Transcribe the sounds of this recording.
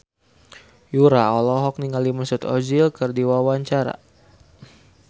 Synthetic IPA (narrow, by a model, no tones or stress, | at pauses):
juɾaɔlɔɦɔk̚niŋalimasʊt̪ɔd͡ʒilkərdiwawaɲt͡ʃaɾa̰